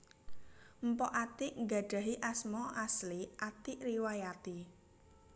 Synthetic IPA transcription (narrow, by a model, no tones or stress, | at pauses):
m̩pɔʔat̪iʔŋɡa̤ɖ̥ä̤ɦiʔasmɔʔasliʔat̪iʔɾiwajat̪i